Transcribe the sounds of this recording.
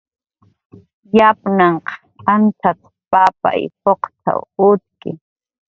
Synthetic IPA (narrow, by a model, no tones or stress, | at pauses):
japnaɴqɑ̥ | ant͡sʰat | papa̰jhoqt̪a̰ʊt̪̚kɪ